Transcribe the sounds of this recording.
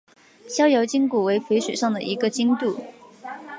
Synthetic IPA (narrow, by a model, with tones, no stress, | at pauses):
ɕjɑ˥ʊjɑ˧˥ʊt͡ɕi˥ŋku˨˩we˧˥ɪpʰwe˧˥ɪʂɥɛ̰˨˩ʂɑ˥˩ŋd̪ə˩ʔi˧˥ɡə˧t͡ɕi˥ŋt̪u˥˩